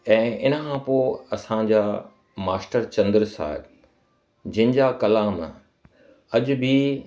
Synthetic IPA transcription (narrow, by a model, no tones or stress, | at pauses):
ɛ̃ːɪnəkʰãpoːɐsãd͡ʑaː | maːsʈəɾt͡ɕɐ̃nd̪ɾsa̰ːɦɪb | d͡ʑɐ̃ɦɪ̃ɲd͡ʑaːkɐlaːm | ɐʄʊ̆bʱi